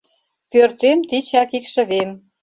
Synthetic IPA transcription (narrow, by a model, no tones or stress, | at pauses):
pørt̪emt̪it͡ɕɑkikʃə̆βem